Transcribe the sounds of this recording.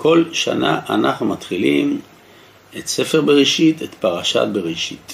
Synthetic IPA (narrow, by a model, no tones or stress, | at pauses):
kʰo̞lʃa̰na̰ʔanaχnumat̪χilim | et̪se̞fe̞ʁbeʁiʃite̞t̪paʁaʃa̰t̚be̞ʁiʃit̪